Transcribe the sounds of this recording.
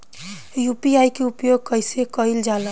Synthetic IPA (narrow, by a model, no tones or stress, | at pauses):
jupiajkeupjoɡ̚kəɪsekəild͡ʒalə